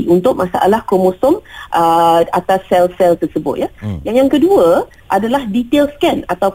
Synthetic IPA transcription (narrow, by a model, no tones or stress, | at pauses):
ʔunt̪ʊk̚masa̰ʔa̰lahkomosɔmʔəat̪asːɛlsɛlt̪ərsəbʊ̰t̪̚jajaŋjaŋkəduə | ʔadalahdit̪elskɛnat̪a